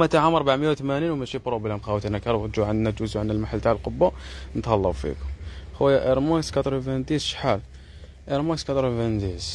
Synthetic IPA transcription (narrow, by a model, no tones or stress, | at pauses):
æt̪aʕamɑɾˤbaʕməjæwt̪mæninwmæʃibɾˤubəlæmxæwt̪inækɑɾˤb̪ʒuʕənd̪næt̪ʒuzuʕanːælmaħalt̪aʕəlqobːanət̪ɑlˤːɑbfḭkʊmhəwæjæʔəɾmɑskɑt̪ˤɾuvænd̪izʃħal | ʔəɾmɑskɑt̪ˤɾˤuvænd̪iz